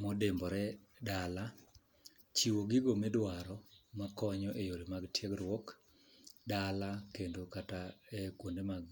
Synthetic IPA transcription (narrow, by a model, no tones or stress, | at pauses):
mɔdembɔɾɛ | dala | t͡ʃiwoɡiɡomedwaɾɔmakɔɲɔʔejoɾemaɡtjeɡrwɔk | dalakendokataɛkwondemaɡ